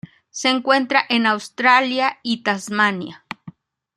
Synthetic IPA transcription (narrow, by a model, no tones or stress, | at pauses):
seŋkwent̪ɾaʔenawst̪ɾaljait̪azmanja